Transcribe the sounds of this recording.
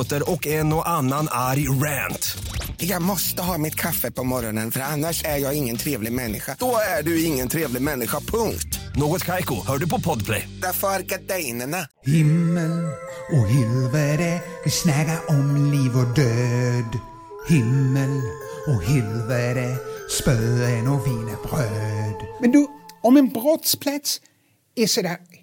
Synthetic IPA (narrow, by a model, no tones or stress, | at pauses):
t̪əɾɔkːɛnɔʔanːanaɾjɾænt̪jɑːɡmɔst̪əɦɑːmɪt̪kʰafəpʰɔmɔɾɔnənfœɾanːaʂæɾjɑːɡɪŋːənt̪ʰɾeːvlɪɡmɛnːɪ̰ɧad̪̥ɔæɖɵɪŋːənt̪ʰɾeːvlɪɡmɛnːɪɧapʰɵŋkt̪noːɡɔt̪kʰajkʊhœːɖɵpʰɔpʰɔd̪pʰlɛ̰jd̪afœɾɡad̪ɛjnəɳa | hɪmːəlɔɦɪlvəɾəɪsnakaʔɔmliːvɔd̪øːd̪ | hɪmːəlɔhɪlvəɾəspœənɔviːnəbɾøːd̪mɛnd̪ʉɔmɛnbɾɔt̪spʰlat̪s | ɛsɛd̪æ